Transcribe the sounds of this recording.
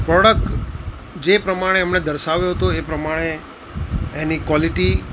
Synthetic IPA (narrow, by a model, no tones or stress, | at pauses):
pɾɔɽək̚ʈ | d͡ʒepɾəmaɽ̃eəmned̪əɾʃaʋjoɦət̪oepɾəmaɽ̃e | enikwɔliʈi